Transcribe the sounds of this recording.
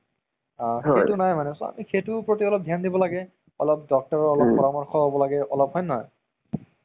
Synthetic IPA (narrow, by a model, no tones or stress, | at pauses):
ahejtʊnajmanɛsɔa̰mixejtʊpɹotiɔlɔp̚d̪ʱjandibɔlaɡɛ | ɔlɔp̚dɔk̚tɔɹɔɔlɔpːɔɹamɔɹxʰɔɦobɔlaɡɛʔɔlɔpɦɔjnɔj